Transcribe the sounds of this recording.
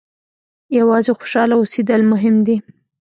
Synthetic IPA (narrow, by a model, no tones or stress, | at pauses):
jawɑzexo̥ʃɑlaosed̪əlmʊɦɪmd̪i